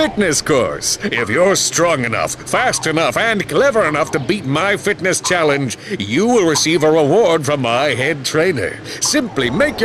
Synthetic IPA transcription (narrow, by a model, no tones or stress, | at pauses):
fɪtⁿnɨskʰɔ̰ɹsɪfjə˞stɹ̥ɔ̃ŋɨnʌ̰fːæstɨnʌfɨ̃nkʰl̥ɛvə˞ɨnʌftɨbit̚maɪfɪtⁿnɨst͡ʃʰælˠɨ̃nd͡ʒjɨwɪlˠɹɨsivəɹəwɔɹd̥fɹʌ̃mːaɪɦɛd̚tʰɹ̥ẽɪ̃nə̰˞sɪ̃mplimeɪkj